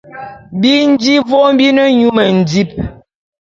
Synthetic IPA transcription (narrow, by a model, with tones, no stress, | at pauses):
bi˦n̩˦d͡ʒi˦vɔ˦m˦bi˦nə˦ɲu˦mə˨n̩˨di˦p̚